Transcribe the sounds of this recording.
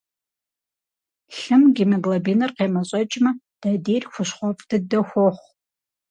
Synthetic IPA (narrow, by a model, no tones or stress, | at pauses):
ɬɨmɡʲimɐɡlɐbinɨrqeːmɐt͡ɕʼɐt͡ʃʼmɐ | d̥adeːrxʷʊʃχʷɔpʼd̥ɨdɐxʷɔχʷ